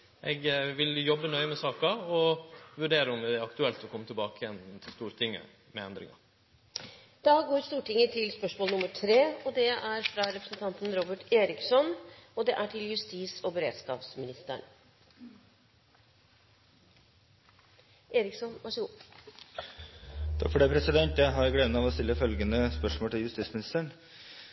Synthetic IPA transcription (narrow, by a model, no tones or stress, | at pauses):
ʔɛɡʋɪljɔbənœʏəmɛsɑːkɑɔʋʉɖeːɾəʊmɪɑkt̪ʉɛlt̪ɔkʰɔmːət̪ɪlbɑːkəjɛnt̪ʰɪlst̪uːɾt̪ʰɪŋːə̰ | mɛɛnd̪ɾɪ̰ŋɑ̰ | d̪̥ɑːɡoːɾst̪uːʈɪŋːət̪ʰɪlspœʂmoːlnʊmːəʈʰɾeːɔd̪ɛæɾfɾɑɾɛpɾəsn̩t̪ʰɑnt̪n̩ɾɔbəʈeːɾɪksɔnɔd̪ɛʔæʈʰɪljʉst̪iːsɔbəɾḛːd̪skɑ̰ːpsmɪnɪst̪ə̰ɳ | eːɾɪksɔnʋæʂəɡuː | t̪ʰɑ̰kfɔɖeːpʰɾɛsɪd̪ɛnt̪jæɪɦɑɾjɡleːd̪nɑʋɔst̪ɪlːəfœlɡənəspœʂmoɔːlt̪ʰɪljʉst̪iːtsmɪnɪst̪əɳ